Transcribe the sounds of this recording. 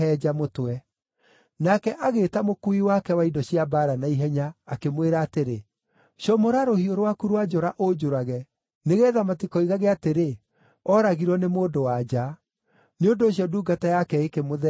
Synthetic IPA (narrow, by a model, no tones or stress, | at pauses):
ɛd͡ʒamotwɛ | nakɛʔaɣeːtamokuiwakɛwaidɔɕiabaːɾanaiɦɛɲaːkemweɾaːteɾe | ɕjɔmoɾaɾohioɾowakuɾowad͡ʒɔɾaʔod͡ʒoɾaɣɛ | neɣɛːðamatikɔiɣaɣeateɾe | ɔɾaɣiɾwɔnemoːdowad͡ʑa | neondoːɕjɔduːɡatajakɛekemoðɛ